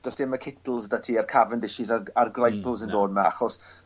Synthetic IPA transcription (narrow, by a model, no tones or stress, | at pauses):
d̥ɔsd̥ɪmakʰɪtl̩ˠzdatʰiarkʰavəndɪʃɪzaarɡrajpʰlˠzəndoːd̚maa̰χɔs